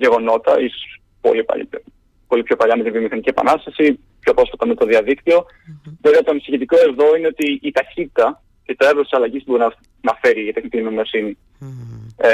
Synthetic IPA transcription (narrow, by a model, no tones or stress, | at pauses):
ʝe̞ɣo̞no̞t̪ɐ̰iso̥ss | po̞̰lipɐ̰ | po̞lipçopɐʎɐmet̪invio̞mixɐnicie̞pɐ̰nɐst̪ɐsi | pço̞pɾo̞sfɐt̪ɐmet̪o̞ðiɐðikt̪io̞ | veveɐt̪oɐnisiçit̪iko̞e̞ðo̞ine̞o̞t̪iːt̪ɐçit̪it̪ɐ | cet̪ɾevɾost̪isɐlɐʝispbo̞inɐ | nɐfe̞ɾiɐt̪exnit̪inomosini